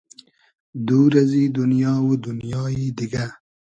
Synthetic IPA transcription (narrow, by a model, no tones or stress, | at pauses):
d̪uɾazid̪ʊnjɑːwud̪ʊnjɑːjid̪iɡa